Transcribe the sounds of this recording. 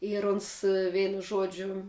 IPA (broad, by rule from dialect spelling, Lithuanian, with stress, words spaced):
ɪr ˈʊns ˈʋʲɛɪnʊ ˈʒuɔd͡ʒʲʊ